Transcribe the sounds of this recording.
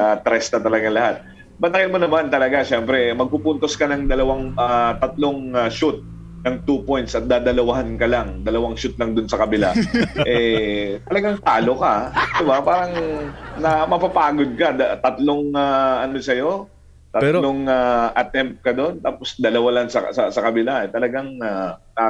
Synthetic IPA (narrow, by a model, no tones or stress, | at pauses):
at̪ɾɛsnɐt̪ɐlɐɡaŋlɐhat̪̚ | bɐt̪ɐkɪnmonɐmant̪ɐlɐɡaʃɛmpɾɛmɐɡ̚pupunt̪o̞skɐnɐŋd̪ɐlɐwaŋat̪ɐt̪loŋaʃut̪̚ | nɐŋt̪upo̞jnt̪sʔɐt̪̚d̪aːd̪ɐlɐwɐɦankɐlaŋd̪ɐlɐwaŋʃut̪̚lɐŋd̪ʊnsɐkɐbɪlaʔɛt̪ɐlɐɡaŋt̪aːlokad̪ɪbapaːɾɐŋnɐmɐpapaːɡod̪̚kɐd̪ɐt̪ɐt̪loŋaʔɐnosɐjo̞ | t̪ɐt̪loŋaʔɐt̪ɛmp̪̚kɐd̪o̞nt̪aːposd̪ɐlɐwalɐŋsɐsɐsɐkɐbɪlaʔɛt̪ɐlɐɡaŋana